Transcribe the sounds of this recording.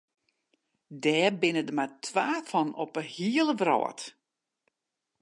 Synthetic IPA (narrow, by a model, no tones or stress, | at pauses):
dɛːbɪnədəmatʰwaːfɔnɔpəhiəlˠəʋrɔ̰ːə̰t